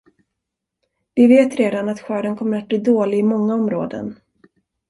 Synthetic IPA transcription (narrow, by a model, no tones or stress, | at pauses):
vɪveːt̪ɾeːd̪anat̪ɧœːɖənkʰɔmːəɾat̪̚bliːd̪oːlɪɡɪmɔŋːaɔmɾoːd̪ə̰n